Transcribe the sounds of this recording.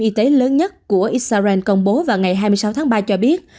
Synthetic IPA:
ʔi˧t̪e˨˦ləː˨˦nɲə˦˥t̚ku˧˩əʔi˨˦˥t̚saː˧zɛ˧nkə˧wŋ͡mɓo˨˦vaː˨˩wŋa˨˩jɦaː˧jmɨ˧jsa˨˦wt̪ʰa˨˦ŋɓaː˧t͡ɕɔ˧ɓi˦˥ət̚

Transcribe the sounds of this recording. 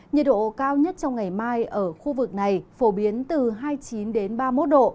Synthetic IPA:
ɲə˨˩t̚ɗo̰˧˨kaː˧wɲə˦˥t̚t͡ɕɔ˧wŋ͡mŋa˨˩jmaː˧jʔəː˧˩xu˧vɨ˨˩k̚na˨˩jfo˧˩ɓi˨˦ənt̪ɨ˨˩ɦaː˧jt͡ɕi˨˦nɗe˨˦nɓaː˧mo˦˥t̚ɗo̰˧˨

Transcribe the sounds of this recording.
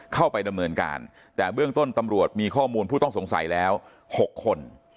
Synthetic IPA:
kʰa˥˩wpa˧jda˧mnɤː˧nka̰ː˧n | t̪ɛː˨˩bɯ˥˩əŋt̪o˥˩nt̪a˧mɾu˨˩ət̪̚miː˧kʰɔː˥˩muː˧npʰuː˥˩t̪ɔ˥˩ŋso˩˦ŋsa̰˩˦jlɛː˦˥w | ho˨˩kʰːo˧n

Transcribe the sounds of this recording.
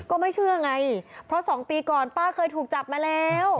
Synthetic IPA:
kɔː˥˩ma˥˩jt͡ɕʰɯ˥˩ɐʔa˧ŋa˧jpʰɾɔ˦˥sɔː˩˦ŋpiː˧kɔː˨˩npaː˥˩kʰɤː˧jt̪ʰuː˨˩k̚t͡ɕa˨˩p̚maː˧lɛː˦˥w

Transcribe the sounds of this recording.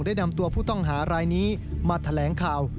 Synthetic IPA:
ŋdaː˥˩jna˧mt̪u˧ɐpʰuː˥˩t̪ɔ˥˩ŋɦaː˩˦ɾaː˧jniː˦˥ | maː˧t̪ʰa˧lɛː˩˦ŋkʰaː˨˩w

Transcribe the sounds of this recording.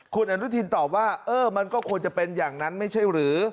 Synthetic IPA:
kʰu˧nʔa˧ɾu˦˥t̪ʰi˧nt̪ɔː˨˩p̚waː˥˩ʔɤː˧˩ma˧nkɔː˥˩kʰu˧ənt͡ɕa˨˩pe˧njaː˨˩ŋna˦˥nma˥˩jt͡ɕʰa˥˩jɾɯː˩˦

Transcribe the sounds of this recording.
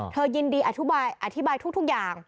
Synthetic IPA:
t̪ʰəː˧ɲi˧nɗi˧ʔaː˨˩t̪ʰu˧˥ɓaː˧jʔaː˨˩t̪ʰi˦˥ɓaː˧jt̪ʰu˦˥t̪ʰk̚zaː˨˧˩ŋ

